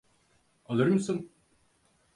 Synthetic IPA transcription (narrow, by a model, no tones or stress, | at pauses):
alˠɯɾɯmsɯn